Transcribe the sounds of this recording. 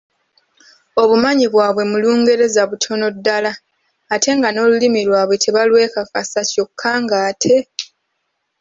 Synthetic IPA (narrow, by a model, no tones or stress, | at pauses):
o̞βumaɲiβwaːβwe̞muluːŋɡe̞ɾe̞zaβutʰo̞no̞dːalaː | tʰe̞ŋɡano̞ːlulimilwaːβwe̞tʰe̞βalwe̞ːkakasaco̞kʰːaːŋɡaːtʰe̞